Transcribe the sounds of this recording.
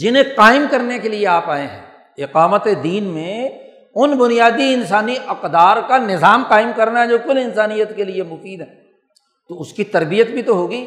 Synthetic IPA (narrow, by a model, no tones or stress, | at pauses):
d͡ʒɪnɦẽqaːɪmkɐɾnekelieaːpaːẽɦɛ̰̃ː | ɪqaːmət̪ed̪iːnmẽ | ʊnbʊnijaːd̪iɪnsaːniʔɐqd̪aːɾkanɪzaːmqaːɪmkɐɾnaɦɛd͡ʒoːkʊlɪnsaːnijət̪keliemʊfiːd̪ɦɛː | t̪oʊskit̪ɐɾbijət̪bʱit̪oɦoːɡiː